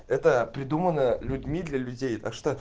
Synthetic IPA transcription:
ɛt̪əpɾʲɪd̪umənəlʲʊdʲmʲid̪lʲɐlʲʉdʲejt̪a̰kʂt̪o

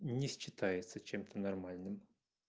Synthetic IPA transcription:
nʲɪsʲɕɪt̪ajɪt̪sət͡ɕe̞mt̪ʰənɐrmalʲnɨm

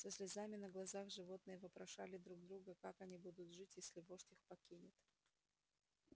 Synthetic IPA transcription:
səsʲlʲɪzamʲɪnəɡlˠɐzaxʐɨvo̞t̪̚nɨjəvɨpɾɐʂa̰lʲɪd̪ɾuɡ̚d̪ɾuɡəkakɐnʲibud̪ʊt̪ʐɨtʲjesʲlʲɪvoʂtʲixpɐkʲinʲɪt̪

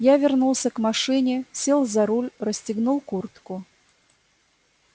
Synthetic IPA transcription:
javʲɪrnulˠsʲəkmɐʂɨnʲɪsʲelˠzaɾulʲrəsʲtʲɪɡnulˠkurt̪kʊ

